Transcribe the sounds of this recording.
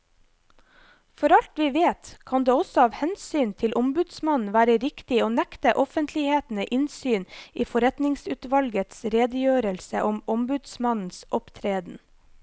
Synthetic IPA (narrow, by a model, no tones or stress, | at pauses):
fɔɾɑlt̪ʋiːʋeːt̪kʰɑnd̪eːɔsɔɑːʋhɛnsyːnt̪ʰɪlʔɔmbʉd̪smɑnn̩ʋæːɾəɾɪkt̪ɪoːnɛkt̪əʔɔfənt̪ʰlɪheːt̪n̩əʔɪnsyːniːfɔɾɛt̪nɪŋsʉːt̪ʋɑlɡət̪sɾeːd̪əjøːɾəlsəʔɔmɔmbʉd̪smɑnn̩sʔɔpt̪ʰɾeːd̪n̩